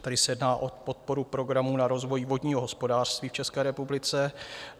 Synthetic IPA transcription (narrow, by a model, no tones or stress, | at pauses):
t̪adɪsɛjɛdnaːʔo̞po̞t̪̚po̞ɾupɾo̞ɡɾamuːnaɾo̞zvo̞jvo̞dɲiːɦo̞ɦo̞spo̞daːr̝̥st̪viːft͡ʃɛskɛːɾɛpublɪt͡sɛ